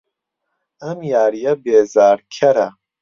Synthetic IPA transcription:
ɐmjaːɾijɐbeːzaːɾkʰɐɾɐ

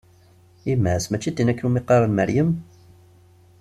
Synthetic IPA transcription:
imːæʕsmæt͡ʃːid̪inækːnumiqːɑɾˤɑnmæɾjəm

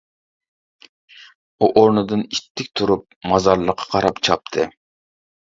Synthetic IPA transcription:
uʔoɾnɨd̪ɨnit̪ʰːɪk̚ʲt̪ʰuɾup̚mɑzɑɾlˠəqʰːɑ̥qʰɑɾɑpt͡ʃʰɑp̚t̪ʰɨ

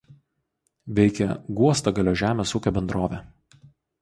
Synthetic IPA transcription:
ʋʲɛɪkʲɛɡuɔst̪ɐɡɐlʲoːʒʲæːmʲeːsuːkʲoːbʲɛnd̪ɾoːʋʲɛ

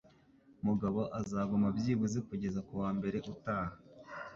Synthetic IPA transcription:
muɡaβo̞ʔazaːɡumabjiːβuzikuɟe̞zakuwaːmbe̞ɾe̞ʔutaːha

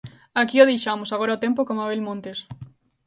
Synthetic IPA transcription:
akioðejʃamosaɣ̞oɾaot̪empokomaβelmõnt̪es

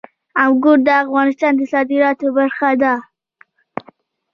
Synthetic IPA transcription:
awɡoɖ̚d̪əafɣɑnɪst̪ɑnd̪əsɑd̪ɪɾɑt̪obaɾxad̪a

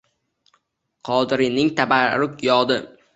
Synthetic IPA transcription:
qʰɒd̪ɾɪnɪŋt̪ʰabaɾʊkjɒd̪ɪ

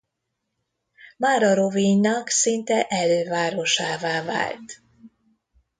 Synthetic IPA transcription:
maːɾɒɾoviɲːɒksint̪ɛʔɛløːvaːɾo̞ʃaːvaːva̰ːlt̪

